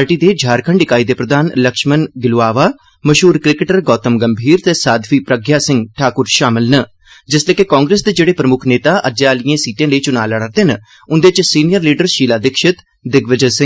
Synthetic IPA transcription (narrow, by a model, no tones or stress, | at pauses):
aːɾʈiːd̪eːd͡ʒʱaːɾkʰəɳɖɪkaːiːd̪eːpɾəd̪aːnləkʃmənɡɪlaːʋaː | məʃɦuːɾkɾɪkɪʈəɾɡɔːt̪əmɡəmbʱiːɾt̪eːsaːd̪fiːpɾəɡjaːsɪ̃ŋɡʈʰaːkʊɾʃaːmɪlnə | d͡ʒɪsleːkekɔːŋɡɾeːsd̪eːd͡ʒeːɽeːpɾəmʊkʰneːt̪aːʔəd͡ʒeaːlijãːsiːʈijãːləiːt͡ʃʊnaːləɽəɾd̪eːnə | ʊnd̪eːt͡ʃsiːnijəɾliːɖəɾʃiːlaːd̪ɪkʃɪt̪ | d̪ɪɡʋəd͡ʒəsɪ̃ŋɡ